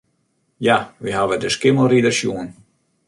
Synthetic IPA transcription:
jaʋiɦaʋədəskɪməlridəsjuən

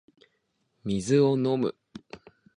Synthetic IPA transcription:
mʲizɨono̞mɯ̟̰

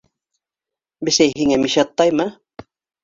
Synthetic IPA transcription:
bɘ̆sæjɦiŋæmiʃɑt̪ːɑjmɤ

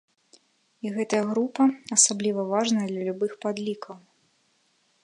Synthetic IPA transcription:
iɣɛt̪ɐjɐɣɾupɐasablʲivɐvaʐnɐjɐd̪lʲɐlʲubɨxpad̪lʲikʰɐw

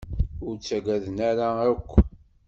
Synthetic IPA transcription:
ʊɾt͡sːæɡæðənæɾaakʷː

